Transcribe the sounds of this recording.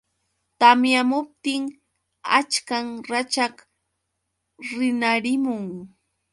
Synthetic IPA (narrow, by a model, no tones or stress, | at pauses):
t̪amjamʊp̚t̪ɪŋ | at͡ʃkaŋɾat͡ʃak | ɾɪnaɾɪmʊŋ